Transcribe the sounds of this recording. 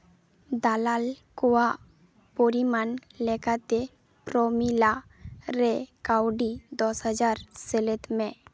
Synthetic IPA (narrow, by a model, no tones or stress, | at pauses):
d̪alalkɔwa | poɾimanlɛkat̪e | pɾɔmila | ɾekawɖid̪ɔsɦəd͡ʒaɾselet̪mẽ